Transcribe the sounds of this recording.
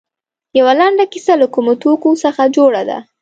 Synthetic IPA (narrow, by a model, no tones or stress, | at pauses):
jawalaɳɖakisalakumot̪okosəxad͡ʒoɽad̪a̰